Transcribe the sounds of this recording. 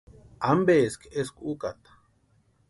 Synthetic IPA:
ambeːskeskukat̪

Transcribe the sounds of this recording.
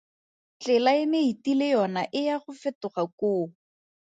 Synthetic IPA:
t͡ɬɪlaɪmeitilejɔnaʔɪjaχʊfɛtʊχakoː

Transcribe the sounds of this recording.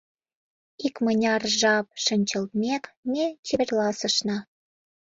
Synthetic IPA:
ikmənʲɑrʒɑp̚ʃə̆nʲt͡ɕə̆lt̪̚mʲekmʲet͡ɕeβerlɑsə̆ʃnɑ

